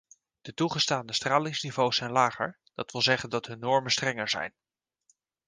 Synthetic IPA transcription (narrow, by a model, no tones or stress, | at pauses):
d̥ətuχəstaːndəstraːlɪŋsnivowsɛjnlaːχə̰ɹ | d̥ɑtʋɪlˠzɛχəndɑtɦɵnːɔɹmənstrɛŋəɹzɛ̰jn